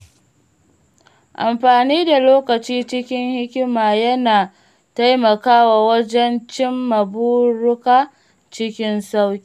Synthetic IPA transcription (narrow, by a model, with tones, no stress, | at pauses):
ʔa˨mɸaː˨niː˦da˨loː˦kɐ˨t͡ʃiː˦t͡ʃɪ˦kʲɪ˦ŋhɪ˦kʲɪ˦maː˨jɐ˦naː˨ | ta˦jmɐ˨kaː˦waː˨wɐ˦d͡ʒɛ˦nt͡ʃɪ˦mːɐ˨buː˦ɽʊ˦kaː˦˨ | t͡ʃɪ˦kʲɪ˦nsa˦wkʲiiː˨